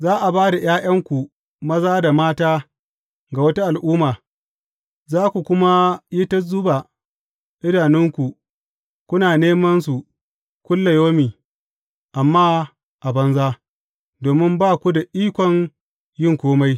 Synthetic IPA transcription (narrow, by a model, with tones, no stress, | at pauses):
zaː˦ʔa˨baː˦da˨j̰aː˦jʔɐ˦ŋkʷu˨ | mɐ˦zaː˦da˨maː˦taː˦ | ɡa˨wɐ˦ta˦ʔa˨lʔuː˦maː˨ | zaː˦kʷu˨kʷʊ˦ma˦ji˦tɐ˦zʊ˦ba˨ | ʔɪ˦daː˨nɪ˦ŋkʷu˨ | kʷʊ˦naː˨neː˦mɐ˦ns̬u˨ | kʷʊ˦lːɐ˨joː˦miː˨ | ʔa˨mːaː˦ | ʔa˨bɐ˦nzaː˦ | doː˨mɪ˦mbaː˦kʷu˦da˨ʔiː˦kʷɔ˨ŋ | jɪ˦˨ŋkʷoː˦ma˦j